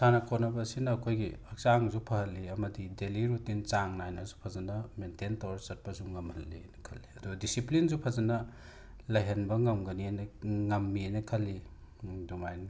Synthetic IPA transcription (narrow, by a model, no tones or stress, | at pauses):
sanɐkʰonɐbɐsinɐːkʰojɡiɐk̚saŋzupʰɐɦɐlːiɐmɐdideliɾutint͡ʃaŋnajnɐzu̥pʰɐzɐnɐmententɐwɾɐsɐt̚pɐzuŋɐmhɐlːinɐkʰɐlːiɐduɡɐdisiplinzupʰɐzɐnɐ | lɐjɦɐnbɐŋɐmɡɐnianɐŋɐmːianɐkʰɐlːi | dumajn